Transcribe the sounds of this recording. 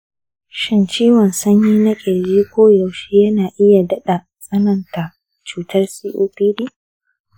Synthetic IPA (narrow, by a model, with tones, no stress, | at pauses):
ʃɪ˦nt͡ʃiː˦wɔ˨nsɐ˦ɲjiː˦nɐ˦kʲʼe˨d͡ʒiː˦kʷoː˦ja˨wʃeː˦jɐ˦naː˨ʔɪ˦ja˨dɐ˦ɗa˨ | sʼɐ˦nɐ˨nta˨ | t͡ʃuː˦tɐ˦rsiː˦ʔuː˦ɸiː˦ɗiː˦